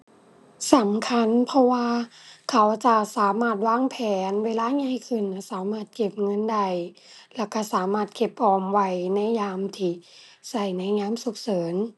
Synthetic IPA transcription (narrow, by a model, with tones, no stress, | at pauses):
sa˨˦mkʰa˧˥˨npʰɔ˧waː˧kʰa˨˦wt͡ɕa˧saː˨˦maː˧˩t̪̚waː˧˥˨ŋpʰɛː˨˦nweː˧˨laː˧˥˨ɲa˧˨jkʰɯ˧˩˨nːa˧˩saː˨˦maː˧˥˩t̪̚ke˧˩p̚ŋɤ˧˥˨nda˧˩j | lɛ˧˩wka˧˩saː˨˦maː˧˥˩t̪̚ke˧˩p̚ʔɔː˧˩mwa˧˩jna˧˥˨jjaː˧mt̪ʰiː˧˩ | sa˧˩jna˧˥˨jɲaː˧˥˨msu˨˧˦k̚sɤː˨˦n